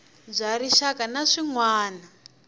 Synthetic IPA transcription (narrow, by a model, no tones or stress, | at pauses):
zʷaɾiʃakanaʂiŋwaːna